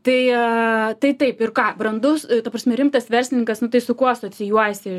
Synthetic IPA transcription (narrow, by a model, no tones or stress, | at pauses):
t̪ɐɪ | t̪ɐɪt̪ɐɪpɪrkɑːbɾɐnd̪ʊst̪ɐpɾɐːsʲmʲɛɾʲɪmt̪ɐsʋʲɛrʲsʲlʲɪnʲɪŋkɐsnʊt̪ɐɪsʊkuɔsʊɐt̪ʲsʲɪjuɔjɛsʲɪ